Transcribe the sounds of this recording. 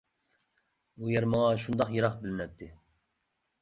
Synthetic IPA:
ujɛɾmɑʁɑʃund̪ɑχjeɾɑχbɪlɪnɛt̪ʰːɪ

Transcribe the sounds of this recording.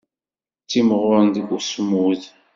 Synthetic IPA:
t͡sːimʁʊɾnd̪ɡʷusmuð

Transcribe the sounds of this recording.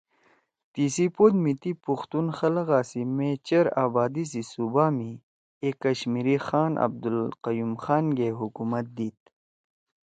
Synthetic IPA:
t̪iːsipoːd̪mit̪ipuxt̪unxɐlɣaːsimẽt͡ɕɐɾaːbaːd̪is̬isubami | eːkːɐɕmiɾixaːnʔɐ̰b̚d̪ulqɐjumxaːnɡeɦukumɐt̪̚d̪iːt̪̚

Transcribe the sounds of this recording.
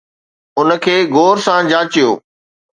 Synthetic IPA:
ʊnə̆kʰeːɡoːɾsãd͡ʑãːt͡ɕijo̰ː

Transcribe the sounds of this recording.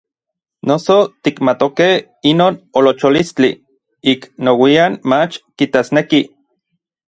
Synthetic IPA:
nosot̪ikmat̪okeh | inoːnolot͡ʃolist͡ɬi | iknowianmat͡ʃkit̪asneki

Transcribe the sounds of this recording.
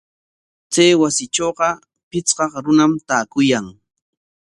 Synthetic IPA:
t͡sajwasɪʈ͡ʂoːqɑ | pɪt͡sqɑqɾʊnamt̪aːkʊjaŋ

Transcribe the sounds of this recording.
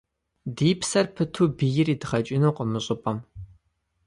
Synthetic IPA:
diːpsɐrpʰɨtʰuːbijɪriːdɨχɐt͡ʃʼɪnuːqəmɨɕʼʊpʼɐm

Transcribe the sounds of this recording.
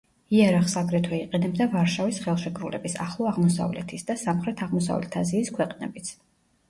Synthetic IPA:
iaɾaχsaɡɾɛt̪ʰwɛiqʼɛnɛbd̪avaɾʃavisχɛlˠʃɛkʼɾulɛ̰bisaχlˠɔaʁmɔsa̰vlɛ̰t̪ʰisd̪asamχɾɛt̪ʰaʁmɔsa̰vlɛ̰t̪ʰaziːskʰwɛqʼnɛbit̪sʰ

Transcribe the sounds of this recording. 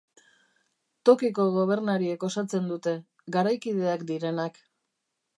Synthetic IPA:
t̪o̞kiko̞ɣo̞β̞e̞ɾnaɾie̞ko̞sat͡se̞nd̪ut̪e̞ | ɡaɾajkið̞e̞akd̪iɾe̞nak

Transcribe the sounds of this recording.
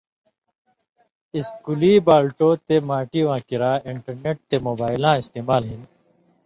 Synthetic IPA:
iskuliːbaːlʈoːt̪emaːʈiʋãːkiɾãːɪɳʈɐɾneʈ̚t̪emoːbaːɪlãːɪst̪eːmaːlɦin

